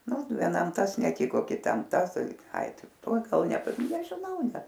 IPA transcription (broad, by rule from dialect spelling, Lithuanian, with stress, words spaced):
ˈnʊ ʋʲiɛˈnɐm ˈtɐs nʲɛˈtʲɪkoː kʲɪˈtɐm ˈtɐs ˈtɐɪ ɐɪ ˈtɐɪ ˈtuɔ ˈɡɐlˠ nʲɛpɐ nʲɛʒʲɪˈnɐʊ ˈnʲɛt